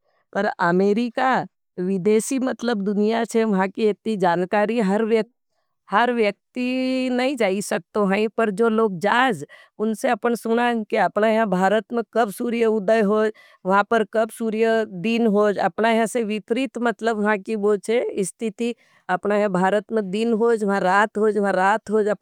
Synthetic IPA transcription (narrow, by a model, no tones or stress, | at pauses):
pɐɾəmeːɾɪka | ʋɪd̪eːʃimɐt̪ləbd̪ʊnijat͡ʃʰɛʋɐɦãkiet̪nid͡ʒaːnkaːɾiɦɐɾʋjə | hɐɾʋjək̚t̪inɐɦĩd͡ʒaːisɐk̚t̪õɦɛ̃ĩpɐɾd͡ʒoːloːɡ̚d͡ʒaːd͡ʒʊnseɐpənsʊnakeɐpnajɦãbʱaːɾət̪mẽkɐbsuːɾjəʊd̪əjɦoːd͡ʒ | ʋɐɦãpəɾkɐbsuːɾjəd̪inɦoːd͡ʒɐ̰pnajɦãseʋɪpɾit̪mɐt̪ləbʋɐɦãkiʋot͡ʃʰeɪst̪ʰɪt̪i | ɐpnajɦãbʱaːɾət̪mẽd̪inɦoːd͡ʒʋɐɦãɾaːt̪ɦoːd͡ʒʋɐɦãɾaːt̪ɦoːd͡ʒɐ